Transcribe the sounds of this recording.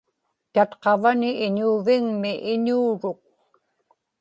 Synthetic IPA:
t̪at̪qɑvanɪʔːɲuːvɪŋmɪʔɪɲuːɻʊk̚

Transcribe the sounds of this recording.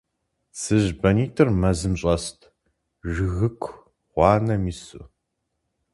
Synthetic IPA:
sɨʑbɐniːtʰɨrmɐzɨmɕʼɐstʰ | ʒɨɣɨkʷʰ | ʁʷɑːnɐmiːsʊ̰

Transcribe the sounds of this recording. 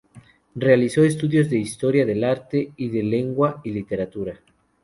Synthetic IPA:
realisoest̪uðjo̞zðe̞ist̪o̞ɾjaðe̞laɾt̪eiðe̞le̞ŋɡwailit̪e̞ɾat̪uɾa

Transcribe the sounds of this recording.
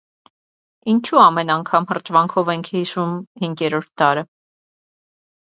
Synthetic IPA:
int͡ʃʰuɑmɛnɑŋkʰɑmhərt͡ʃvɑŋkʰɔvɛŋkʰhiʃumhiŋɡɛɾɔɾt̪̚d̪ɑɾə

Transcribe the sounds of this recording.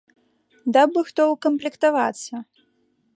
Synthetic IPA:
d̪abɨxt̪ɔwkɐmplʲɛkt̪ava̰t̪sɐ

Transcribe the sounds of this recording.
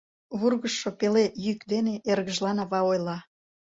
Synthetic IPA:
βurɣəʃːopelejykd̪eneʔerɣəʒlɑnɑβɑojlɑ

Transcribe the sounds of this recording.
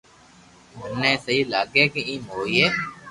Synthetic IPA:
bʱənẽːsəɦiːlaːɡeːkeĩːmoːiːeː

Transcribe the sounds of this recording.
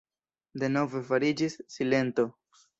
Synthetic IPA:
de̞no̞ve̞faɾid͡ʒisːile̞nto̞

